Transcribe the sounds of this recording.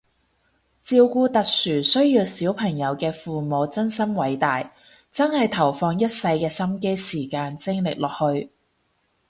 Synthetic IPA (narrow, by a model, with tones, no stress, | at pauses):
t͡siː˧wkuː˧t̪ɐ˨k̚syː˨˩sɵ˥ɥjiː˧wsiː˨˥wpʰɐ˨˩ŋjɐ˨˧wkɛː˧fuː˨mo˨˧wt͡sɐ˥nsɐ˥mwɐ˨˥jt̪aː˨j | t͡sɐ˥nhɐ˨jt̪ʰɐ˨˩wfɔː˧ŋjɐ˥t̚sɐ˧jkɛː˧sɐ˥mke˥jsiː˨˩kaː˧nt͡sɪ˥ŋlɪ̰˨k̚lɔː˨k̚hɵ˧ɥ